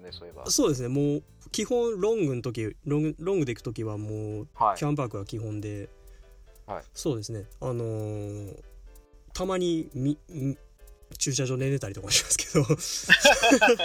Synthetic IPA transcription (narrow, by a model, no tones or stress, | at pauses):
so̞ːd̪e̞s̬ɨne̞moː | kʲihõ̞ɰ̃ɾõ̞ŋɡɯ̟nt̪o̞k̬ʲiɾõŋɡɯɾõŋɡɯeikɯ̥t̪o̞kʲiβamoːkʲãmbakɯ̟ɡakʲiɦõ̞nd̪e̞ | so̞ːd̪e̞sɨne̞ano̞ | t̪ʰamaɲ̟imʲi | t͡ɕɨːɕ̬aʑoːne̞ne̞t̪aɾʲit̪o̞kaɕimasɨ̥kʰe̞̥d̪̥o̞